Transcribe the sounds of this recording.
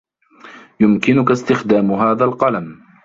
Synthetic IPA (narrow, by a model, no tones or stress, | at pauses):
jʊmkɪnʊkast̪ɪxd̪aːmʊɦaːðalqɑlam